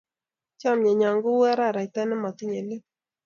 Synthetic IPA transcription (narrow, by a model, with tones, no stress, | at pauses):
t͡ʃa˦˨mɲɛ˨ɲa˨ŋɡʊ˦wɛ˦ɾa˦˨ɾa˨t̪ɛ˦nɛ˦mɔ˨t̪ɪ˦ɲe˨lɪ˦p̚